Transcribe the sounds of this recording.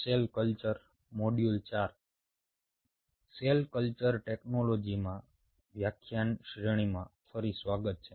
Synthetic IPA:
selkəlt͡ʃəɾ | moɖjult͡ʃaɾ | selkəlt͡ʃəɾʈeknolod͡ʒimã | ʋjakʰjanʃɾəɽ̃imãfəɾisʋaɡət̪̚t͡ʃʰe

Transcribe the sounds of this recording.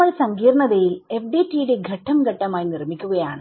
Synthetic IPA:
ɐlsɐŋɡiːrɳɐðɐjile̞fɖitːijuɽeɡʱɐʈʰːɐmɡʱɐʈːɐmaːjinirmikʲːuɣɐjaːɳɨ

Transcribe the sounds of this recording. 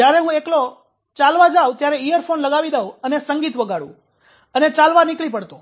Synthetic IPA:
d͡ʒjaɾeɦũeklo | t͡ʃalʋad͡ʒaʋt̪jaɾeijəɾfʰonləɡaʋid̪euənesəŋɡit̪ʋəɡaɽṵ̃ | ənet͡ʃalʋanɪklipəɽt̪õ

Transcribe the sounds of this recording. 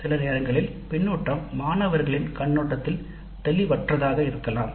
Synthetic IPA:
sɪlɐneːɾɐŋɡɐɭɪlpɪɳːuːʈːɐmːaːnɐʋɐɾɣɐɭɪnkɐɳːuːʈːɐt̪ːɪl | t̪ɛlɪʋɐʈrɐðaːɣɐɪɾɯkːɐlaːm

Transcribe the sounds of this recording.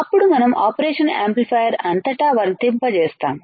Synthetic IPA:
ɐpːuɽumɐnɐmaːpɐɾeːʂɐnḛːmplipʰaːjɐɾɐnt̪ɐʈaːʋɐːɾnt̪impɐt͡ʃeːst̪aːm

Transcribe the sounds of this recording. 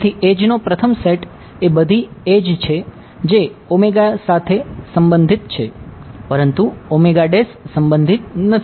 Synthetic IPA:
t̪ʰiʔed͡ʒnopɾət̪ʰəmseʈ | ebəd̪ʱied͡ʒt͡ʃʰe | d͡ʒeomeɡasat̪ʰesəmbənd̪ʱit̪̚t͡ʃʰepəɾənt̪uomeɡaɖesːəmbənd̪ʱit̪̚nət̪ʰi

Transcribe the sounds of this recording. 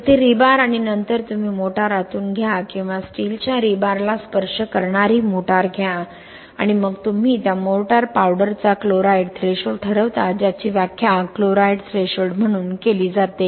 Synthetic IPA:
ət̪eɾibaɾaɽ̃inənt̪əɾt̪um̤iːmoʈaɾat̪uːnɡʱjakĩw̃ʋasʈilt͡ɕjaɾibaɾlaspəɾʂəkəɾɳaɾiːmoʈaɾɡʱja | a̰ɽ̃iməɡt̪um̤iːt̪jamoʈaɾpawɽəɾt͡sakloɾajɖt̪ʰɾeɕoɖʈʰəɾəʋt̪ad͡ʑjat͡ɕiːʋjakʰjakloɾajɖt̪ʰɾeɕoɽm̤əɽ̃uːnkeliːd͡zat̪e

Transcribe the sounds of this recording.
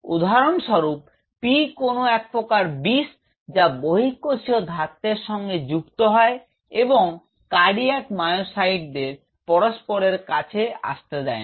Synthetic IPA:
ṵd̪ʱaɾonʃɔɾup̚ː | ikonoɛk̚pokaɾbis | d͡ʑaboɦikːoʃiod̪ʱat̪ːeɾʃɔŋɡed͡ʑukt̪oɦɔe | eboŋ | kaɽiɛʈmajoʃaiʈ̚d̪eɾ | pɔɾospoɾeɾka̰t͡ɕʰea̰ʃt̪ed̪ɛe

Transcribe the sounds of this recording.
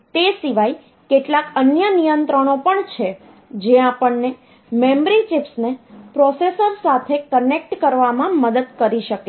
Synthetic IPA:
t̪esiʋaj | keʈlakənjənijənt̪ɾəɳ̃opəɳt͡ʃʰe | d͡ʒeapəɳne | membɾit͡ʃipsnepɾɔsesəɾsat̪ʰekənek̚ʈkəɾʋamãməd̪əd̪kəɾiʃəke

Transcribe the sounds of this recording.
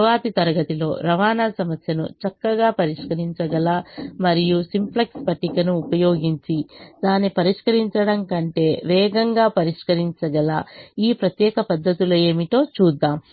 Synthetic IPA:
ʋaːt̪it̪ɐɾɐɡɐt̪ilo̞ːɾɐʋaːnaːsɐmɐsjɐnṵt͡ʃɐkːɐɡaːpɐɾiʂkɐɾiɲt͡ʃɐɡɐlɐmɐɾijusimplekspɐʈːikɐnuːpɐjo̞ːɡiɲt͡ʃid̪aːnipɐɾiʂkɐɾiɲt͡ʃɐɽɐŋkɐɳʈe̞ːʋɛːɡɐŋɡaːpɐɾiʂkɐɾiɲt͡ʃɐɡɐlɐ̰iːpɾɐt̪jɛːkɐpɐd̪ːɐt̪iloeːmiʈo̞ːt͡ʃuːd̪ːaːm

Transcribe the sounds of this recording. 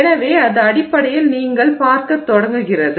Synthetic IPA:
nɐʋeːɐðɯɐɽɪpːɐɽɐjɪlniːŋɡɐɭpaːɾkɐt̪ːɔɽɐŋɡɯɣɪrɐðɯ

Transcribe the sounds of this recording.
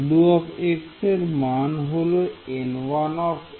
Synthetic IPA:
d̪uɔkekseɾmanɦoloenwanɔk

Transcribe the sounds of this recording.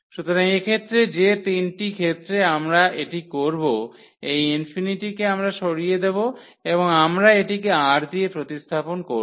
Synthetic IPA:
ʃut̪oɾaŋekʰet̪ːɾed͡ʑet̪inʈikʰet̪ːɾeamɾaʔeʈikoɾbo | ejinfiniʈikeamɾaʃoɾijed̪ebo | eboŋamɾaeʈikeaʈd̪iepɾot̪ist̪ʰaponkoɾ

